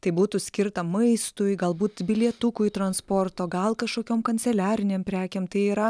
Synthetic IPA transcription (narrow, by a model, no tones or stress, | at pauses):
t̪ɐɪbuːt̪ʊsʲkʲɪɾt̪ɐmɐɪst̪ʊjɡɐlˠbuːt̪bʲɪlʲiɛt̪ʊkʊjt̪ɾɐnsport̪oːɡɐlˠkɐʃkoːkʲoːmkɐnʲtt͡s̪ʲɛlʲæːɾʲɪnʲeːmpʲɾʲæːkʲeːmt̪ɐɪiːɾɐ